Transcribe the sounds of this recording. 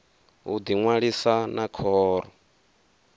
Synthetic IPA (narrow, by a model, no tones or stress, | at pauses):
ud̪iŋwaɺisanakʰɔːɾɔ